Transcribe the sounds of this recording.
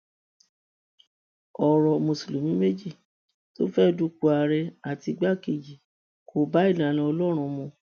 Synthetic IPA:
ɔ˨ɾɔ˧mõ˨su˨lu˨mĩ˨˦me˦d͡ʒi˦˨ | to̰˦fɛ˦du˦ku˧˦a˨˧ɾɛ˧a˨ti˧ɡ͡ba˦˨ke˨d͡ʒi˨ | kʰo˨ba˨˦i˦˨lã˨˦lã˧ɔ˧lɔ˦ɾ̃ũ˧mũ˧

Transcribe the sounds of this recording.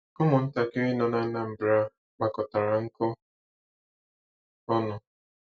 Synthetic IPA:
ʊ˦mʊ˨n̩˦ta˦kɪ˦ɾi˦nɔ˨na˦na˦m̩˨bɾa˦ | k͡pa˨kɔ˨ta˨ɾa˨ŋ̩˦kʊ˦ | ɔ˦nʊ˨

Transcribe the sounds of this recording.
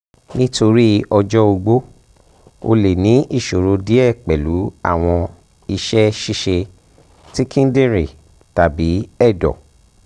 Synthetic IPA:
nĩ˦to˧ɾi˦ɔ˧d͡ʒɔ˦o˧ɡ͡bo˦ | o̰˧le˨nĩ˨˦i˦˨ʃo˨ɾo˧di˦ɛ˦˨k͡pɛ˨lu˨˦a̰˦˨w̃ɔ̃˧ | i˧ʃɛ˦ʃi˦˨ʃe˧ | ti˦kĩ˦n˦dĩ˦ɾi˨ | ta˨bi˨˦ɛ˦˨dɔ̰˨

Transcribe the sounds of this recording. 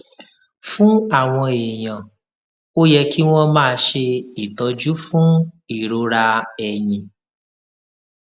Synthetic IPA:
fũ˦a˦˨w̃ɔ̃˧e˨j̃ã˨ | o˦jɛ˧ki˦w̃ɔ̃˦mãː˦˧ʃe˧i˨tɔ˧d͡ʒu˦fũ˦i˦˨ɾo˨˧ɾa˧ɛ˨jĩ˨

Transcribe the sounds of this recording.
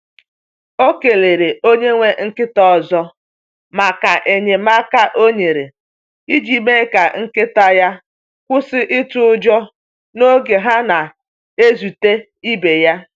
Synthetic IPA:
o˦ke˨le˨ɾe˨o˦ɲe˦ŋʷe˦ŋ̩˦kɪ˦tɔ˦˨zɔ˦ | ma˨ka˨ʔe˨ɲe˨ma˦ka˦ʔo˦ɲe˨ɾe˨ | i˦d͡ʒi˦me˦ka˨ŋ̩˦kɪ˦ta˦ja˦ | kʷʊ˦sɪ˦ʔɪ˦tʊ˦ʊ˦d͡ʒɔ˦ | no˦ɡe˨ɦa˦na˨ | e˦zu˨te˦ | i˦be˨ja˦

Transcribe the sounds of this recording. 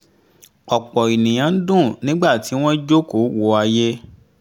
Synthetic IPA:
ɔ˨k͡pɔ˨i˨nĩ˨j̃ã˨˦dũ˦˨nĩ˦ɡ͡ba˦˨ti˨˦w̃ɔ̃˦d͡ʒo˦ko˨˦wo˧˦a˧je˦

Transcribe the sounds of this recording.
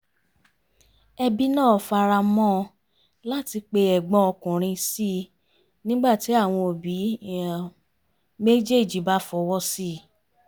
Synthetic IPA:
ɛ˧bi˦nãː˦˨fa˧ɾa˧mɔ̃˦ | la˦ti˧k͡pe˧ɛ˨ɡ͡bɔ̃˧ɔ˧kũ˨ɾ̃ĩ˧si˦ | nĩ˦ɡ͡ba˦˨ti˨˦a˦˨w̃ɔ̃˧o˨bi˨˦˨ | me˦d͡ʒe˦˨d͡ʒi˨˦ba˨˦fɔ˧wɔ˦si˦˨

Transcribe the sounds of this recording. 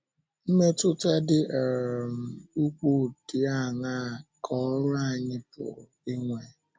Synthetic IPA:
m̩˦me˦tʊ˦te˦dɪ˦ʔe˨ɾm̩˨u˦kʷo˦˨ti˨a˦˨ŋa˦˨kʰɔ˦ɾʊ˦a˦˨ɲɪ˦pʊ̰˨ | i˦ŋʷe˨

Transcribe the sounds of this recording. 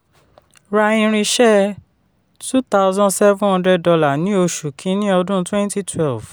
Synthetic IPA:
ɾa˧ĩ˧ɾ̃ĩ˧ʃɛ˦ | tu˦t̪a˦ʊzɔ̃˦nsɛ˦vũ˦ɔ̃˧ndɾɛ˧ɔ˧la˦˨nĩ˦o˧ʃu˨kʰĩ˨˦nĩ˦ɔ˧dũ˦twɛ̃˦nti˦tʰwɛ˦lv̥

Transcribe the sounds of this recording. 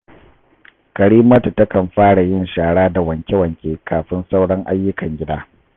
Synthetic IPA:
kɐ˨ɽiː˦mɐ˦tu˨tɐ˦kɐ˨mɸaː˦ɽa˨jɪ˦nʃaː˨ɽaː˦da˨wɐ˨ŋkʲe˦wɐ˨ŋkʲeː˦kʰaː˨ɸɪ˦nsa˦wɽɐ˦ŋʔa˦jːʊ˦kɐ˨ŋɡʲɪ˦daː˦

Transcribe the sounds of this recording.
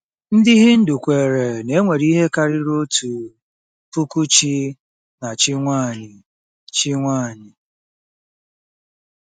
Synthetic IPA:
n̩˦dɪ˦ɦɪ˦n̩˦du˨kʷe˨ɾe˨ne˨˦ŋʷe˨ɾi˦ɦe˦ka˨ɾɪ˦ɾo˦tu˨ | pu˦ku˦t͡ʃi˦ | na˨t͡ʃɪ˦ŋʷa˦˨ɲɪ˨ | t͡ʃi˦ŋʷa˦˨ɲɪ˨

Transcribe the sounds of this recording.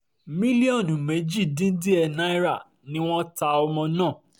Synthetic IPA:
mĩ˦li˦ɔ̃˦˨nũ˨me˨˦d͡ʒi˦˨dĩ˦di˦ɛ˧nã˦i˦ɾa˦˨ | nĩ˦w̃ɔ̃˦ta˧ɔ˧mɔ̃˧nãː˦˨

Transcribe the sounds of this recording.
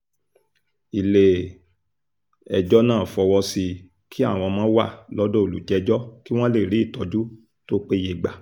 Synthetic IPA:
i˨le˨ | ɛ˨d͡ʒɔ˦nãː˦˨fɔ˧wɔ˧si˧ | ki˦a̰˦˨w̃ɔ̃˧mãː˦wa̰˦˨lɔ˦do˦o˨lṵ˨d͡ʒɛ˨˦d͡ʒɔ˦ki˦w̃ɔ̃˦le˦˨ɾi˨˦˨tɔ˧d͡ʒu˦ | to˦k͡pe˦je˧˨ɡ͡ba˨

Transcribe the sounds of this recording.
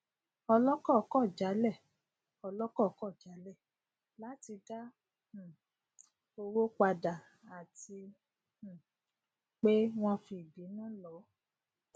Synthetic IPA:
ɔ˧lɔ˦kɔ˦˨˧kɔ˦˨d͡ʒa˨˦lɛ˦˨ | ɔ˧lɔ˦kɔ˦˨˧kɔ˦˨d͡ʒa˨˦lɛ˦˨ | la˨˦ti˧dã˦˨ | o˧wo˦k͡pa˧da˨ | a˨tĩ˧˨ | k͡pe˦w̃ɔ̃˦fi˧˨bi˨˦nã˦lɔ˨˦

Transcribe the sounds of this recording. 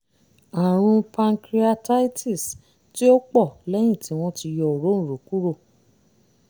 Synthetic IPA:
a˨ɾ̃ũ˧pa˧ŋkɾi˦a˧ta˦i˦tʰi˦˨s | ti˦o˦k͡pɔ˦˨lɛ˦j̃ĩ˦˨ti˨˦w̃ɔ̃˦ti˧jɔ˧˦o˨ɾõ˦˨ɾo˨ku˦ɾo˦˨

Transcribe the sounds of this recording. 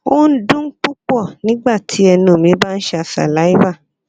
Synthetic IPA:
o˦n̩˦dũ˦k͡pu˦k͡pɔ˦˨nĩ˦ɡ͡ba˦˨tʰi˨˦ɛ˧nũ˨mĩ˨˦ba˦n̩˦ʃa˧˨sa̰˨la˨˦i˦ba˦˨

